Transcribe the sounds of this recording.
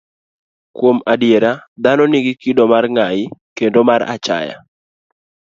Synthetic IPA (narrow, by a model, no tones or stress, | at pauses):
kwomadjeɾad̪anɔniɡikidɔmarŋajɪkendomaɾa̰t͡ʃa̰ja̰